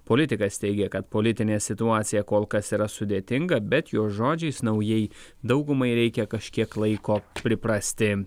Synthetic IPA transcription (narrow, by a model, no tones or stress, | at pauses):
polʲɪt̪ʲɪkɐst̪ʲɛɪɡʲɛkɐt̪poːlʲɪt̪ʲɪnʲeːsʲɪt̪ʊɑːt̪sʲɪjɛkoːlˠkɐsiːɾɐsʊd̪ʲeːt̪ʲɪŋɡɐbʲɛt̪joːsʒoːd͡ʒʲɛɪsnɐʊjɛɪ | d̪ɐʊɡʊmɐɪɾʲɛɪkʲɛkɐʃʲkʲiɛklˠɐɪkoːpʲɾʲɪpɾɐsʲt̪ʲɪ